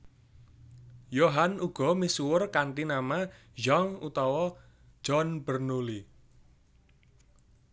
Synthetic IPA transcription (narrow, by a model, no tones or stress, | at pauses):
joɦanuɡ̥ɔ̤misuwʊrkant̪inama | jɔŋut̪ɔwɔ̥ | d͡ʒ̥ɔnb̥ərnuli